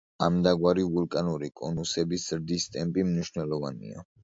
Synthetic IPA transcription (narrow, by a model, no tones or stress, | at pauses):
amd̪aɡwaɾivulˠkʼanuɾikʼɔnusɛbisz̥ɾd̪ist̪ʼɛmpʼimniʃnɛlˠɔvanḭa̰